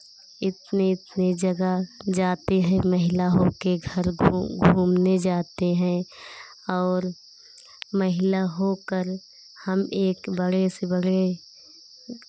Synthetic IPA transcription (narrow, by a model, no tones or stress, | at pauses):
ɪt̪neɪt̪ned͡ʒəɡəd͡ʒaːt̪eɦɛ̃məɦɪlaɦokeɡʱəɾɡʱuːmned͡ʒaːt̪eɦɛ̃ | ɔːɾ | məɦɪlaɦokəɾ | həmeːkbəɽesebəɽe